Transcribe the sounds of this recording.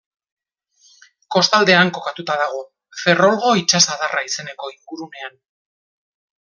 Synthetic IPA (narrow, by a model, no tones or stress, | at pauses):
ko̞st̪ald̪e̞aŋko̞kat̪ut̪aðaɣ̞o̞ | fe̞ro̞lɣo̞it͡ʃasaðarʔaise̞ne̞ko̞iŋɡuɾune̞an